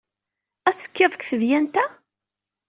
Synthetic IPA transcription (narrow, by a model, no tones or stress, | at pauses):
æt͡sːə̥kːeðˤəkʷθəðjænt̪æ